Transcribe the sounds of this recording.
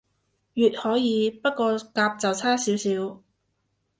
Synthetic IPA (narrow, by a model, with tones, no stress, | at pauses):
jyː˨t̚hɔː˨˥jiː˨˧pɐ˥t̚kɔː˧kaː˧p̚t͡sɐ˨wt͡sʰaː˥siː˨˥wsiː˨˥w